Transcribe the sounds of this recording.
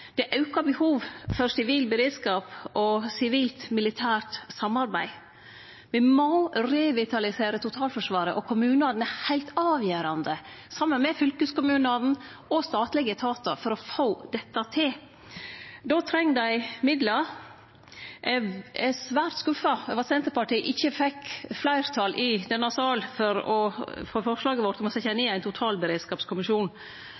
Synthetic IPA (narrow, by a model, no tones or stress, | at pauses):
d̪̥ɛʔɑʉkɑbəhuːʋfɔɾsɪʋiːlbəɾeːd̪skɑːpɔsɪʋiːlt̪mɪlɪt̪ʰæːɾʈsɑmːɑɾbæɪ | ʋɪmɔɾɛʋɪt̪ʰɑlɪseːɾət̪ʰʊt̪ʰɑːlfɔʂʋɑːɾəʔɔkʰʊmʉːnɑːd̪n̩æhæɪlt̪ɑːʋjøːɾɑnd̪ə | sɑmːənmɛfʏlkəskʊmʉːnɑːd̪n̩ | ɔst̪ɑːt̪lɪɡət̪ʰɑːt̪əɾfɔɾɔfoːd̪̥ɛt̪ːɑt̪ʰɪl | d̪ɔt̪ʰɾɛŋːd̪æɪmɪd̪lɑɾ | ʔɛsʋæːɾt̪skʉfːɑɛʋɑsɛnt̪əpɑʈiːʔɪçːəfɛkflæɪɾt̪ʰɑlʔɪd̪ɛnːɑsɑːlfɔɾɔfoːfɔʂlɑːɡəʋɔɾt̪ɔmɔsɛɪçæneːæɪnt̪ʰʊt̪ʰɑːlbəɾeːd̪skɑːpskʰʊmɪʃuːn